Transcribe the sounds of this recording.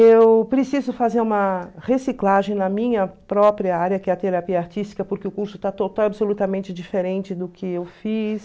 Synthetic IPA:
ewpɾesizʊfazeɾũmɐhesiklaʒẽj̃nɐmĩɲɐpɾɔpɾiɐaɾjɐkɪɐt̪eɾapiɐaɾt͡ʃist͡ʃi̥kɐpoɾkɪʊkuɾsʊ̥t̪at̪ot̪awabsolut̪ɐmẽnt͡ʃɪd͡ʒifeɾẽnt͡ʃɪd̪ʊkɪewfis

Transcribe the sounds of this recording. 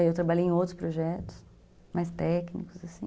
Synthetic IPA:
ewt̪ɾabaʎejẽowt̪ɾʊ̥spɾoʒɛt̪ʊ̥s | majst̪ɛknikʊzasĩ

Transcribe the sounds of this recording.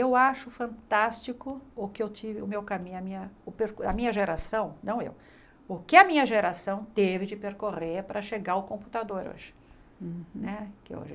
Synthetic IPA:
ewaʃʊfɐ̃nt̪ast͡ʃikʊʊkɪewt͡ʃivɪʊmewkamĩɲʊɐmĩɲɐʊpeɾkɐmĩɲɐʒeɾasɐ̃w̃nɐ̃w̃ḛw | ʊkɪɐmĩɲɐʒeɾasɐ̃w̃t̪evɪd͡ʒɪpeɾkoʁeɾpɾɐʃeɡaʊkõput̪ad̪oɾo̰ʒɪ̥ | nɛkɪ̰o̰ʒɪ

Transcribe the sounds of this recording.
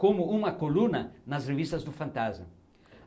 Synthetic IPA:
kõmʊũmɐkolunɐnɐsrevist̪ɐzd̪ʊfɐ̃nt̪azmɐ

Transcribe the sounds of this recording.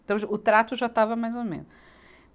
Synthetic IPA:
t̪ɐ̃w̃ʒʊt̪ɾat̪uʒat̪avɐmajzomḛ̃nʊʃ

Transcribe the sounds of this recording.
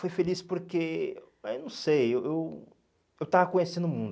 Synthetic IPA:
fojfelispoɾke | ɛnɐ̃w̃sejewew | ewt̪avɐkõɲesẽnd̪ʊmũnd̪

